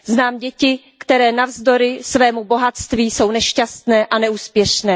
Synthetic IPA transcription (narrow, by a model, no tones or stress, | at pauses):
znaːmɟɛcɪ | kt̪ɛɾɛːnavzdo̞ɾɪsvɛːmubo̞ɦat̪st̪viːso̞wnɛʃcast̪nɛːʔanɛuːspjɛʃnɛː